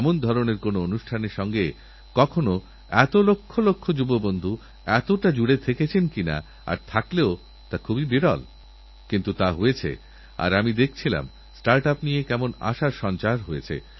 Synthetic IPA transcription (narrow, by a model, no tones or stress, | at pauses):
mond̪ʱɔɾoneɾkonoonuʃʈʰaneɾʃɔŋɡe | kɔkʰono | ɛt̪olokʰːolokʰːod͡ʑubobond̪ʱu | ɛt̪oʈad͡ʑuɽet̪ʰeket͡ɕʰenkina̰ | a̰ɾt̪ʰakleo | t̪akʰubibiɾɔ̰l | kint̪ut̪aɦojet͡ɕʰḛ | a̰ɾamid̪ek̚ʰt͡ɕʰila̰m | sʈaɾʈapnijekɛmona̰ʃaɾʃɔnt͡ɕaɾɦoet͡ɕʰḛ